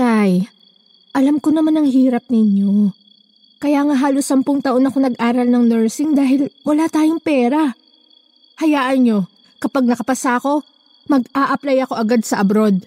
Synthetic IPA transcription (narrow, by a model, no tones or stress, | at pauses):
kaj | ʔɐlamkonɐmanɐŋhiːɾɐp̚nɪɲːo̞ | kɐjaːŋaɦaːlosːɐmpʊŋt̪ɐʔo̞nɐko̞nɐɡʔaːɾɐlnɐŋnɛɹsɪŋd̪aːɦɪlmʊlaːt̪aːjoŋpɛːɾɐ | hɐjaːʔɐnɲo̞ | kɐpaɡ̚nɐkɐpɐsako̞ | mɐɡaːʔɐplajɐko̞ʔɐɡad̪̚sɐʔɐbɾo̞d̪̚